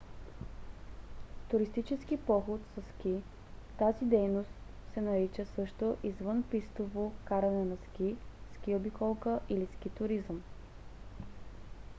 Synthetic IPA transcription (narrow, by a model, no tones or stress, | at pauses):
t̪ʊɾist̪it͡ʃɛskipɔxot̪səsk̟i | t̪azid̪ɛjnost̪ | sɛnɐɾit͡ʃəsɤʃt̪oʔizvɤnpist̪ovokaɾɐnɛnɐsk̟isk̟iobikɔlˠkəʔilisk̟it̪ʊɾizəm